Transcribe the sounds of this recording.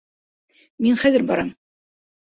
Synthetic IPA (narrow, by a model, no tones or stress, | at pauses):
minχæðɘɾbɑ̰ɾɑm